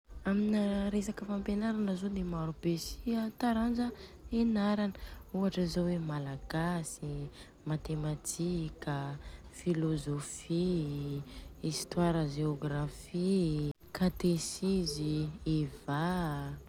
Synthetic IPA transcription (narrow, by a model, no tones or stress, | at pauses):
aminaɾesakəfampenaɾanəzod̪emaɾub̥esiat̪aɾand͡ʒəenaɾanəuaʈ͡ʂəizowemalaɡasi | mat̪emat̪ʰikʲəfilozofi | ist̪waɾəʒeoɡɾafi | kat̪esizieva